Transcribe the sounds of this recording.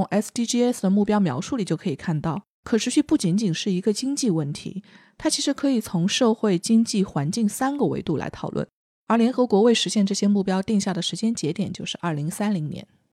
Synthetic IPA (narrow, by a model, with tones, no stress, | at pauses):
ŋʔɛ˥st̪i˥ʈ͡ʂi˥ɛ˥sd̪ə˩mu˥˩pjɑ˥ʊmjɑ̰˧˥ʊʂu˥˩li˨˩t͡ɕjo˥˩kʰɤ˧˥i˨˩kʰa˥˧nt̪ɑ˥˩ʊ | kʰɤ˨˩ʂʰɻ̩˧˥ɕy˥˧pu˥˩t͡ɕi˧˥nt͡ɕi˨˩nʂɻ̩˥˩i˧˥ɡə˧t͡ɕi˥ŋt͡ɕi˥˧wə˥˩nt̪ʰḭ˧˥t̪ʰa˥t͡ɕʰi˧˥ʂɻ̩˧˥kʰɤ˧˥i˨˩t͡sʰʊ˧˥ŋʂɤ˥˧ʊxwe˥˩ɪt͡ɕi˥ŋt͡ɕi˥˩xwa˧˥nt͡ɕi˥˩ŋsa˥nɡə˨wḛ˧˥ɪt̪u˥˩la̰˧˥ɪt̪ʰɑ˨˩ʊlwə̰˥˩n | ə˞˧˥ljɛ˧˥nxɤ˧˥kwɔ˧˥we˥˩ɪʂɻ̩˧˥ɕjɛ˥˧nʈ͡ʂɤ˥˩ɕjɛ˥mu˥˩pjɑ˥ʊt̪i˥˧ŋɕja˥˩d̪ə˩ʂɻ̩˧˥t͡ɕjɛ˥nt͡ɕjɛ˧˥t̪jɛ˨˩nt͡ɕjo˥˧ʊʂɻ̩˥˧ʔɐ˞˥˩li˧˥ŋsa˥nli˧˥ŋnjɛ̰˧˥n